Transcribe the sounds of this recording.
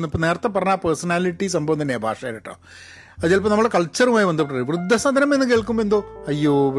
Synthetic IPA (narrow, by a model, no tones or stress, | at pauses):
nːipːoneːrɐt̪ːep̬ːɐrɐɲːaːpersɐnaːliʈːisɐmbʱɐʋɐnːɐnːeːbʱa̰ːʂɐjaːɾiʈːo̰ː | ɐðjaːlipːɐmnmːɐɭɽekɐɭt͡ɕːɐrumaːjiʋɐnd̪ɐpɐʈːɳːɐʋrɨd̪ʱːɐsɐd̪ʱɐnɐmenːɨkeːɭk̬umboend̪oːɐjːoː